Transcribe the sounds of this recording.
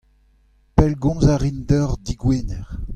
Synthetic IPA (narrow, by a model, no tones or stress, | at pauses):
pɛlɡɔ̃nzaʁindɔʁd̪iɡweːnɛʁ